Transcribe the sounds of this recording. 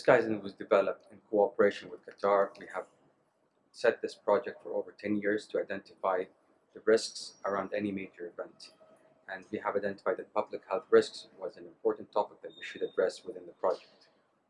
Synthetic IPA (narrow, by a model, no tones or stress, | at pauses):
ðɪsɡaɪzɨ̃nwʌzdɨvɛlˠəp̚tɨ̃nkʰoɑpə˞eɪʃɨ̃nwɨð̥kʰɨtʰɑɹwiəv̥ | sɛt̪̚ðɪspʰɹ̥ɑd͡ʒɛk̚tfə˞oʊvə˞tʰɛ̃njɪɹz̥tʰɨaɪdɛ̃ntɨfaɪ | ðɨɹɪsksə˞ãʊ̃ndɛnimeɪd͡ʒə˞ɨvɛ̃nt | ɨ̃nwiəvaɪdɛ̃ntɪ̥faɪd̪ðɨpʌblɨkhɛlˠθɹɪsksɨwʌzɨ̃nɨ̃mpʰɔɹʔn̩tʰːɔpɪk̚ðɨt̚wiʃɨɾɨdɹɛswɨðɪ̃nðəpʰɹ̥ɑd͡ʒɛk̚t